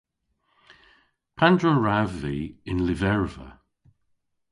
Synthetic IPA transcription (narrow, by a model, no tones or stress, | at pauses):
pʰandɹəɹavːiɪnlɪvɛɹvə̰